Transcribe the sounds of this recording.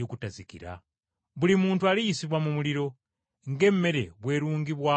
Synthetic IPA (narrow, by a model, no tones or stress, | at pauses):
okutazikḭɾa̰ | βulimuːntualijisiβwamumuliɾo̞ | ŋɡemːe̞ɾe̞̰βwe̞ːɾuːŋɡiβwa